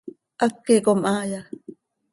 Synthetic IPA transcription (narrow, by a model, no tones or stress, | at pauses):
ʔakːekomʔaːja